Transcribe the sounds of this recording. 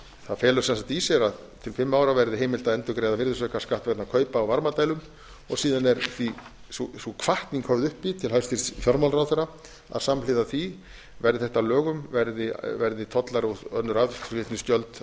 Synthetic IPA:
θaðfɛːlʏ̥sɛnsalt̪isjɛɾað | t̪ʰɪlfɪmːaːwɾavɛɾðɪɦejmɪl̥t̪aɛnt̪ʏkɾeːjðavɪɾðʏsœːkḁskaht̪vɛt̪nakʰœːɥpaːwvaɾmat̪ajlʏm | ɔɣsiːðanɛɾθi | susukʰv̥aht̪niŋkʰœvðʏhpit̪ʰɪlhaɥst̪iɾ̥t̪fjɔɾmawlraːwt̪ʏɾa | a̰ðsamlɪðaθi | vɛɾðɪθɛht̪alœːɣʏmvɛɾðɪvɛɾðɪt̪ʰɔt̪laɾut̪œnːʏɾaðt̪vɛt̪nɪst̪jœlt̪

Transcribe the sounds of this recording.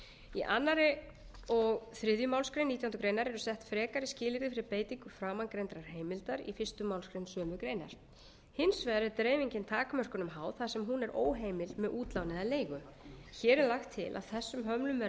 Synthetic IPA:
iʔa̰nːaɾɪ | ɔɣθɾɪðjʏmawlskɾejniːt̪jaunt̪ʏ̥kɾeːjnaɾɛɾʏsɛht̪fɾɛːkaɾɪscɪːlɪɾðɪfɪɾɪɾpeːjt̪iŋkʏfɾaːmankɾent̪ɾaɾ̥ɦeːjmɪlt̪aɾḭfɪr̥st̪ʏmːawlskɾejnsœːmʏkɾeːjna̰ɾ̥ | hɪnsvɛːðɾɪɾt̪ɾeːjviɲcɪnt̪ʰaːkamœr̥kʏnʏmɦaːwθaðsɛmɦunɛɾʔoːwɦejmɪlmɛðuːt̪lawnɪðaleːjɣʏ | çɛːɾɛɾlaxt̪ʰːɪ̰lʔa̰ð̥θɛsːʏmɦœmlʏmvɛ

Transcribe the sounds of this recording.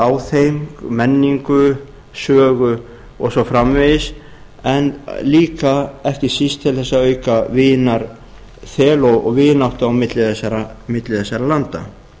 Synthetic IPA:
aːwθejmkmɛnːiŋkʏ | sœːɣʏ | ɔɣsɔfɾamvɪðɪs | ɛnliːkaɛhcɪsist̪ʰɪlθɛsːaœːɥkavɪːnaɾ̥ | θɛːlɔɣɔɣvɪnawht̪aawmɪt̪lɪθɛsːaɾamɪt̪lɪθɛsːaɾalant̪a̰

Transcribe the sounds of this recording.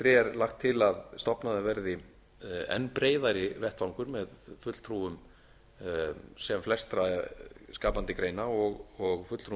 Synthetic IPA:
θɾɪɛɾlaxt̪ʰːɪlaðst̪ɔpnaðɪvɛɾðɪ | ɛ̰nːpɾeːjðaɾɪvɛht̪vawŋkʏɾmɛðfʏt̪l̥t̪ʰɾuʏm | sɛmflɛst̪ɾaskaːpant̪ɪkɾejnaɔɣɔɣfʏt̪l̥t̪ʰɾu

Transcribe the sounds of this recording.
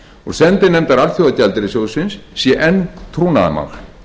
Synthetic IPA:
ɔɾsɛnt̪ɪnɛmt̪aɾalfjowðacalt̪ɪɾɪsjowðsʏnsːjɛʔɛnt̪ʰɾuna̰ð̰ma̰ɣ̥

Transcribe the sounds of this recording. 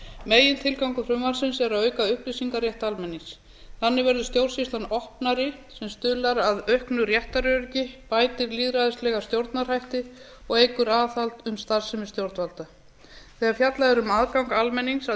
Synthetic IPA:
meːjɪnt̪ʰɪlkawŋkʏfɾʏmvansɪnsɛɾawœːɥkaʏhplisiŋkarjɛht̪almɛnːiŋs | θanːɪvɛɾðʏst̪jowɾ̥rsist̪lanɔhpnaɾɪ | sɛmst̪ʏlaɾaðœhknʏrjɛht̪aɾœɾcɪpaːjt̪ɪɾliːðɾajðɪst̪lɛːɣast̪jowɾt̪nar̥hajht̪ɪ | ɔɣejkʏɾaːθalt̪ʏmst̪aɾ̥sɛmɪ̥st̪jowɾt̪valt̪a | θɛːɣaɾfjat̪laɛɾʏmaːðkawŋkalmɛnːiŋsa

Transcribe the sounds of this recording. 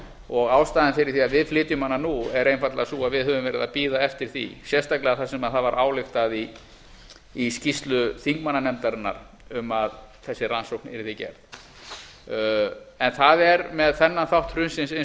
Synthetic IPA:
ɔɣaːwst̪aːðɪnfɪɾɪɾ̥θiaðvɪðflɪːt̪ʏmhanːanuɛɾejnfat̪la̰suːaðvɪðɦœvʏmvɛːɾɪ̰ðapiːðaɛft̪ɪɾ̥θḭsjɛst̪aklɛɣaθasɛmaðθavaɾʔaːwlɪxt̪aði | scist̪lʏθiŋkmanːanɛmt̪aɾɪnːa̰ɾ | ʏmaðθɛsːɪɾansowknɛɾɪθɪcɛ̰ɾð | ɛnθaðɛɾmɛðθɛnːanθawht̪rʏnsɪnsɪn

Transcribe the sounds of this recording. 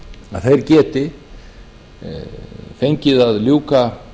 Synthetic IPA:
aðθejɾcɛːt̪ɪ | fejɲcɪðaðljuːka

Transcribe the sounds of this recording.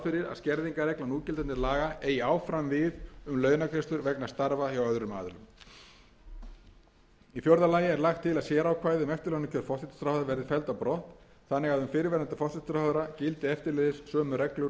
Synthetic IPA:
fɪɾɪɾa̰ðscɛɾðiŋkaɾɛklanuːcɪlɛnɪɾlaːɣaeːjaːwfɾamvɪðʏmlœːɥnakʰɾɛst̪ʏɾvɛknḁst̪aɾvaawœðɾʏma̰ːðʏɾʏ̰m | iθfjowɾðalaːjɪɛɾlaxt̪ʰːɪlaðsjɛːɾawkʰvaːjðɪʏmɛft̪ɪɾlɛnɪcʰœɾfɔht̪ʰɪt̪st̪ɾaːwðʏavɛɾðɪfɛlt̪awpɾɔht̪ | θanːɪɣaðʏmfɪɾɪvɛɾant̪ɪ̥fɔht̪ɪt̪sɾawðʏɾacɪlt̪ɪɛft̪ɪɾlœːðɪsːœːmʏɾɛklʏ

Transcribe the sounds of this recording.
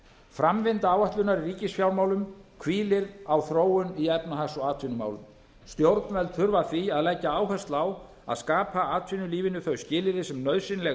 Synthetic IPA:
fɾamvɪnt̪aaːwaht̪lʏnaɾiriːcɪsfjawlmaːwlʏmkʰviːlɪɾawθɾoːwʏniɛpnaɦasɔaːt̪ʰvinʏma̰ːwlʏm | st̪jowɾt̪nvɛlt̪θʏɾvaθiaðlɛcːaaːwɦɛst̪law | a̰ðskaːpʰaaːt̪ʰvinʏliːvɪnːʏθœɥscɪːlɪɾɪsɛmnœɥðsɪnlɛɣ

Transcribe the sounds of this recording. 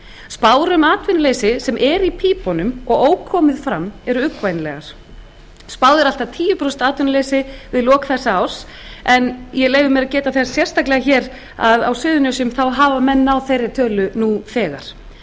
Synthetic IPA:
spaːwɾʏmaːt̪vʏnaleːjsɪsɛmʔɛɾipʰiːpɔnʏmɔɣoːwkʰɔːmɪðfɾamːɛɾʏʏkvajnlɛ̰ɣaɾ̥ | spaːwðɪɾal̥t̪at̪ʰiːjʏpɾɔst̪aːt̪vʏnlejsɪvɪðlɔːkθɛsːaaw̥s | ɛnjɛleːjvʏɪmɛɾaðcɛːt̪aθessjɛr̥st̪ʰaklɛɣaçɛːɾ | aða̰wsʏːðʏnjœsʏmθawɦaːvamɛnːawθejrːɪt̪ʰœːlʏnufɛːɣa̰ɾ̥

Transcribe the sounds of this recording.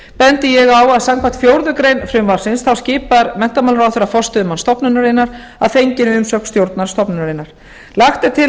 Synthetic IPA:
pɛnt̪ɪjɛɣawaðsamkʰvḁt̪fjowɾðʏkɾejnfɾʏmvaɾ̥sɪnsθawscɪːpaɾmɛn̥t̪amalɾawθɛɾafɔst̪ʏmanst̪ɔpnʏnaɾenːaɾ̥ | aðfejɲcɪnʏmsœkst̪jowɾt̪naɾ̥st̪ɔpnʏnaɾejnːaɾ̥ | laxt̪ɪt̪ʰɪ

